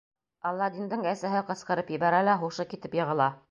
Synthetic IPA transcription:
ɑlˠːɑd̪ind̪ɤɴæsæɦɘqɤ̆sqɤ̆ɾɤpjɘ̆βæɾælæχuʃɤkit̪ɘpjɤ̆ʁɤ̆lˠɑ

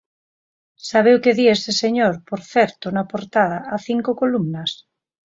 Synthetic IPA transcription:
saβ̞ewkeðieseseɲoɾpoɾθɛɾt̪onapoɾt̪að̞aaθiŋkokolumnas

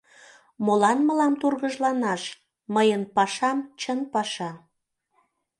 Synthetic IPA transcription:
molɑnməlɑmt̪urɣəʒlɑnɑʃ | məjənpɑʃɑmt͡ɕənpɑʃɑ

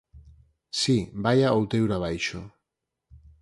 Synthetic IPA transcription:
sibajaowt̪e̞uɾaβajʃo

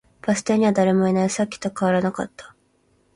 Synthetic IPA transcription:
b̥asɨ̥t̪aɲ̟iβad̪aɾe̞mo̞inaisakʲːi̥t̪o̞kaβaɾanaka̰t̪ːḁ

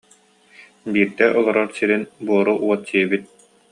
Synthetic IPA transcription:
biːɾd̪ɛʔɔlˠɔɾɔɾsiɾinbuɔɾuʔuɔt̪t͡ɕiɛbit̪̚

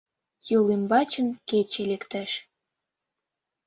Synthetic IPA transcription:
jolembɑt͡ɕənket͡ɕelekt̪æʃ

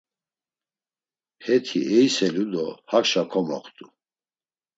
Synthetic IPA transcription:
hɛt̪ʰiʔɛjsɛlud̪ɔhakʃakʰɔmɔ̰χt̪ʼu

